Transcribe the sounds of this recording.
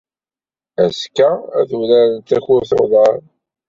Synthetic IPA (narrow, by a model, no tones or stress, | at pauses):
æskææθəwlæɾənt̪ːæçʊɾθoðˤɑɾˤ